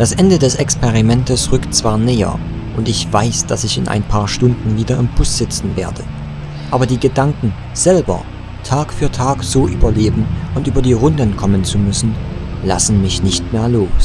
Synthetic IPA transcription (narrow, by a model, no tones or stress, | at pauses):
d̥asʔɛndədɛsɛkspeʁ̞imɛntəsʁʏktt͡sv̥aːɐnɛːɐ̰ | ʔʊntɪçv̥aɪsd̥asɪçɪ̰nʔa̰ɪnpʰaːɐʃtʊndn̩viːdɐɪmbʊsz̥ɪt͡sn̩veːɐdə | ʔʔaːbɐdiːɡədaŋkŋ̩ | z̥ɛlbɐ̰ | tʰaːkfyːɐtʰaːkz̥oːʔy̰ːbɐleːbm̩ʔʊntʔyːbɐdiːʁʊndənkʰɔmənt͡sumʏsn̩la̰sn̩mɪçnɪçtmeːɐloːs